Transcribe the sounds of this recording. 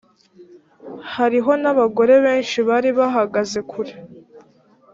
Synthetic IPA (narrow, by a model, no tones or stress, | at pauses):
haɾiɦo̞naβaɡo̞ɾe̞βe̞ːnʃiβaɾiβaɦaɡaze̞kʰuɾe